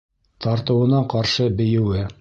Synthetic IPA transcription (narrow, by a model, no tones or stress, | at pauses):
t̪ɑɾt̪ɤ̆wɤ̆nɑqɑɾʃɤbɘ̆jɘ̆wɘ